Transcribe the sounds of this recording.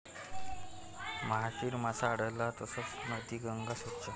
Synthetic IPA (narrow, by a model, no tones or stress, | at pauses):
məɦaɕiːɾmasaːɽəjlːat̪əsət͡snət̪iːɡəŋɡasoʈt͡ʃa